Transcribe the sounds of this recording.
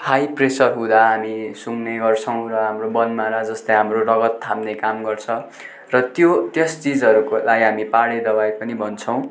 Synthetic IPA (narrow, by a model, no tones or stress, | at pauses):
hajpresʌrɦũd̪aɦamisuŋneɡʌrt͡sʰʌw̃rʌɦamrobʌnmaɾad͡zʌst̪ʌjɦamrorʌɡʌt̪ʰːamnekamɡʌrt͡sʰʌ | rʌt̪jot̪jʌst͡sid͡zʌɾukolaɡiɦamipaɽed̪ʌbajpʌnibʱʌnt͡sʰʌw̃